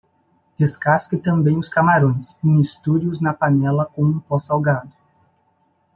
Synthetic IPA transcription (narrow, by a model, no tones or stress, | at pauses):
d̪̥eskaskɪt̪ɐ̃mbẽj̃ʊskamaɾõj̃sẽmist̪uɾiʊznɐpanɛlɐkõũpɔsawɡad̪ʊ